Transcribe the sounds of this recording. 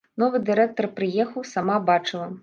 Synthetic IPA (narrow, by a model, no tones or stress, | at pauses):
nɔvɨd̪ɨɾɛk̚t̪ɐrpɾɨjɛxɐwsamabat͡ʂɨlˠɐ